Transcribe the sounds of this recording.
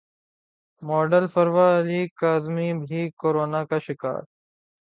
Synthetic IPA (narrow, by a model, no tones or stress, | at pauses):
mɔːɖəlfəɾʋaːliːkaːzmiːbʱiːkoːɾoːnaːkaʃɪka̰ːɾ